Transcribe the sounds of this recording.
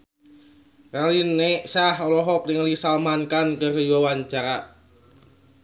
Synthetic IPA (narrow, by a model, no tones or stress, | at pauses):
ralinːesahɔlɔɦɔk̚nɪŋlisalmankankəriwawaɲt͡ʃaɾa